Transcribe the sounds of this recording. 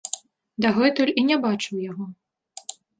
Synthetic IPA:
d̪aɣɛt̪ɔlʲinʲɛbat͡ʂɨwjaɣɔ

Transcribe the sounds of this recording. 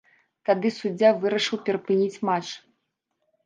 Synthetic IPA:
t̪ad̪ɨsud͡zʲːavɨɾɐʂɨwpʲɛɾɐpɨnʲit͡sʲmat͡ʂ

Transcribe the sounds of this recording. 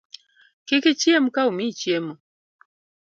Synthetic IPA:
kikit͡ʃiɛmukaumit͡ʃiɛmu

